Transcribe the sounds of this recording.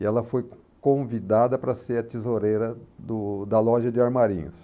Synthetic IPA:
ɪɛlɐfoj | kõvid̪ad̪ɐpɾɐseɾɐt͡ʃ̪izoɾejɾɐd̪ʊd̪ɐlɔʒɐd͡ʒɪaɾmaɾḭ̃ɲʊs

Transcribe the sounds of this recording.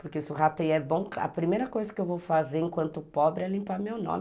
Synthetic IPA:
pʊɾkesɪʊɦat̪ejɛbõkɐ̰pɾimejɾɐkojzɐkɪewvowfazeɾẽŋkwɐ̃nt̪ʊpɔbɾɪɛlĩmpaɾmewnõ̰mɪ

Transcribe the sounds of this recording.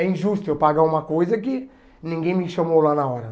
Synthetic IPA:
ɛĩʒust̪ʊɛwpaɣaumɐkojzɐkɪ | nĩŋɡẽj̃mɪʃɐmowlanɐɔɾɐ

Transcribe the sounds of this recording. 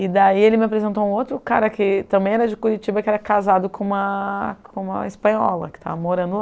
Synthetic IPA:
ɪd̪aielɪmɪapɾezẽnt̪̬oũowt̪ɾʊkaɾɐkɪt̪ɐ̃mbẽj̃ɛɾɐd͡ʒɪkuɾit͡ʃibɐkɪɛɾɐkazad̪ʊkõũmɐkʰõmɐ̰ispɐ̃ɲɔ̰lɐ̰kɪ̥t̪a̰vɐmoɾɐ̃nd̪ʊ

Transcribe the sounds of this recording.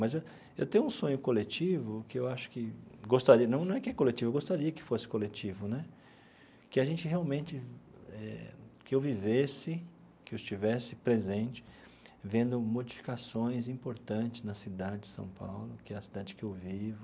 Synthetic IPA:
mɐze | ewt̪ẽjʊũsõɲʊkolet͡ʃivʊkɪewaʃʊ̥kɪɡost̪aɾiɐnɐ̃w̃nɐ̃w̃ɛkɪɛkolet͡ʃivʊɐɡost̪aɾiɐkɪ̥fosɪ̥kolet͡ʃivʊnɛ | kɪaʒẽnt͡ʃɪheawmẽnt͡ʃɪɛ̰kɪewvivesɪ | kɪewɪst͡ʃivɛsɪpɾezẽnt͡ʃɪ̥ | vẽnd̪ʊmod͡ʒifi̥kasõj̃zĩpoɾt̪ɐ̃t͡ʃɪznɐsid̪ad͡ʒɪd͡ʒɪsɐ̰̃w̃pa̰wlʊkɪɛɐsid̪ad͡ʒɪkɪewvivʊ

